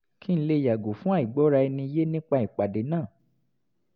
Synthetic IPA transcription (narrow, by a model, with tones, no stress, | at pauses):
ki˦ñ̩˦le˧˨ja˨ɡo˨fũ˦a˦˨i˨ɡ͡bɔ˨˦ɾa˧i˧nĩ˧i˧je˦nĩ˦k͡pa˧i˨k͡pa˨de˨˦nãː˦˨